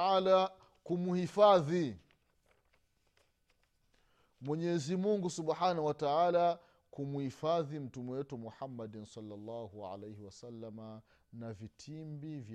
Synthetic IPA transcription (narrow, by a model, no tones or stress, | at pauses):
ala | kumuhifaði | mwɛɲɛzimuŋɡusuɓħanauwataʕala | kumuhifaðim̩tumɛwɛtumuħamːadnsɑlːalːɑːhuʕa̰lejhiwasalːama | navitʰimbiv